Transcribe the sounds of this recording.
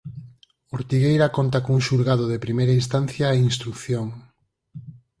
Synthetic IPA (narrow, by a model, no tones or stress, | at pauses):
oɾt̪iɣejɾɐkont̪ɐkõŋuŋʃuɾɣaðoðepɾimejɾɐinst̪anθjɐeinst̪ɾukθjoŋ